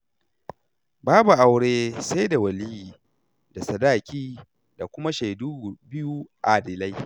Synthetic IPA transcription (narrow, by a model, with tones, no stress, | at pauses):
baː˦bu˨ʔa˨wɽeː˦sa˦jda˨wɐ˨li˦jiː˨ | da˨sɐ˨daː˦˨kʲiː˦ | da˨kʷʊ˦ma˦ʃa˨du˦˨bɪ˦ju˦ʔa˨dɪ˨la˦j